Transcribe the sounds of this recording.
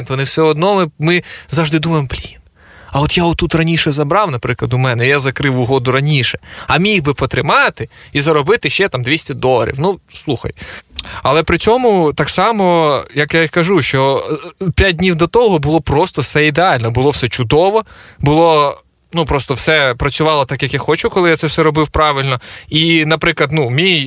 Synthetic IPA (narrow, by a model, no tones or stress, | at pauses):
nt̪ʋɔnɪwsɛɔd̪nɔmɪmɪzɑʒd̪ɪd̪umɐjɪmplʲin | ɐɔt̪jaɔt̪ːut̪rɐnʲiʃɛzɐbɾɑwnɐpɾɪklˠɐd̪ʊmɛnɛjazɐkɾɪwʊɦɔd̪ʊɾɐnʲiʃɛɐmʲiɣbɪpɔt̪ɾɪmɑt̪ɪ | izɐɾɔbɪt̪ɪʃt͡ʃɛt̪ɑmd̪ʋʲisʲtʲɐd̪ɔlˠɐ̰ɾʲḭwnuslˠuxɐ̰jɐlˠɛpɾɪt͡sʲɔmʊt̪ɑksɑmɔjɐkjakɐʒuʃt͡ʃɔpʲjat̚ʲdʲnʲiwd̪ɔt̪ɔɦɔbʊlˠɔpɾɔst̪ɔwsɛid̪eɑlʲnɔbʊlˠɔwsɛt͡ʃʊd̪ɔʋɔbʊlˠɔ | nupɾɔst̪ɔwsɛpɾɐt͡sʲʊʋɑlˠɔt̪ɑkjɐkjaxɔt͡ʃʊkɔlˠɪjat̪sɛwsɛɾɔbɪwpɾɑʋɪlʲnɔinɐpɾɪklˠɐd̪numʲij